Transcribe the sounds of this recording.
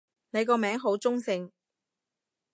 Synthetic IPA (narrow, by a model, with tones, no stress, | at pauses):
ne˨˧jkɔː˧mɛː˨˥ŋɦo˨˥wt͡sʊ˥ŋsɪ˧ŋ